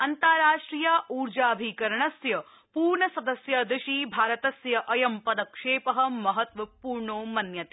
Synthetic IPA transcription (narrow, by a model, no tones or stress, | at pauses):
ɐnt̪aːɾaːʂʈɾiːjaːʔuːɾd͡ʒaːɐbʱikɐɾɐɳɐsjɐ | puːɾɳɐsɐd̪ɐsjɐd̪ɪʃibʱaːɾɐt̪ɐsjɐʔɐjɐmpɐd̪ɐkʂeːpɐɦɐmɐɦɐt̪ʋɐpuːɾɳoːmɐnjɐt̪e